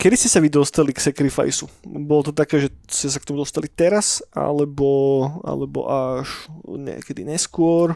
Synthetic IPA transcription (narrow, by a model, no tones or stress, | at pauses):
kɛd̪iscɛsaʋid̪ɔst̪aliksɛkɾifa̰jsubɔlɔt̪ɔt̪akɛːʒɛscɛs̬akt̪ɔmud̪ɔst̪alit̪ɛɾasa̰lɛbɔa̰lɛbɔ̰ʔaʃɲɛ̰ːkɛd̪ḭɲɛskʊɔɾ